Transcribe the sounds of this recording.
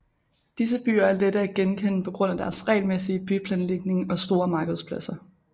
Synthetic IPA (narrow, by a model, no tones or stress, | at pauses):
d̥is̬əb̥y̰ːɐæɐleɾ̥əæɡ̥enkʰen̰pʰɒ̽ɡ̥ʁɔ̽n̰æd̥æɐsʁɛ̰ɪlmesiəb̥ypʰlɛːnle̝ɡ̥̚ne̝ŋɒ̽sd̥o̝ːɐmɑ̈ːɡ̥əð̩ˠspʰlæsɐ